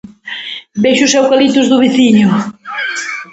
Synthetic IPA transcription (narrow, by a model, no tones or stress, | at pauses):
bejʃʊsɛwkalit̪ʊzðʊβiθiɲʊ